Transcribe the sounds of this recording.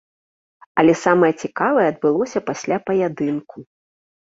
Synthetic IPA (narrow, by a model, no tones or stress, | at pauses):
ɐlʲɛsamɐjɐt͡sʲikavɐjɛɐd̪̚bɨlˠɔsʲɐpasʲlʲapɐjad̪ɨnkʰu